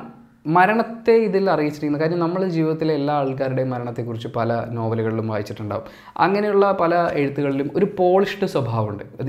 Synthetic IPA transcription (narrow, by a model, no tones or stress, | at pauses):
mɐɾɐɳɐt̪ːe̞iðilɐrijit͡ɕːiʈikʲːunːukaːɾinjɐmnɐmːɐɭd͡ʑiːʋiðɐt̪ːilelːaːaːɭk̬aːɾuɽe̞mɐɾɐɳɐt̪ːe̞kːurit͡ɕːɨpɐlɐno̞ːbɐluɣɐɭilumʋaːjit͡ɕːiʈːuɳɖa̰ːʋṵm | ɐ̰ŋːɐne̞juɭːɐpɐlɐe̞ɻut̪ːuɣɐɭilumoɾupo̞ːɭiʂʈɨswɐbʱaːʋuɳɖɨɐð